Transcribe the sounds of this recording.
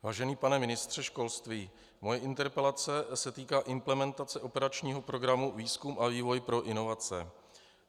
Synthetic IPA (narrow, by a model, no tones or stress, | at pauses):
vaːʒɛniːpanɛmɪnɪst̪r̝̥ɛʃko̞lst̪viː | mo̞jɛʔɪnt̪ɛɾpɛlat͡sɛsɛt̪iːkaːʔɪmplɛmɛnt̪at͡sɛʔo̞pɛɾat͡ʃɲiːɦo̞pɾo̞ɡɾamuviːskumʔaviːvo̞jpɾo̞ʔɪno̞vat͡sɛ